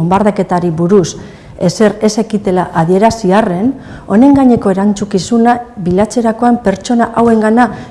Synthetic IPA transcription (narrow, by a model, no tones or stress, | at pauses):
ombaɾðake̞t̪aɾiβuɾus | e̞se̞ɾe̞se̞kit̪e̞laʔaðie̞ɾasiare̞n | o̞ne̞ŋɡaɲe̞ko̞eɾant͡sukisunaβilat͡se̞ɾako̞ampe̞ɾt͡ʃo̞naʔawe̞ŋɡana